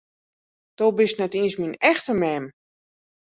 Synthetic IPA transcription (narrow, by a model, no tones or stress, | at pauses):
d̥obɪsnɛtiənsminɛxtəmɛm